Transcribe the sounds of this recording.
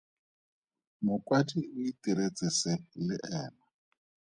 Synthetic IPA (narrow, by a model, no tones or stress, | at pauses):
mʊkʼwatʼiʊitʼiɾet͡sʼɪsɛlɪʔɛːna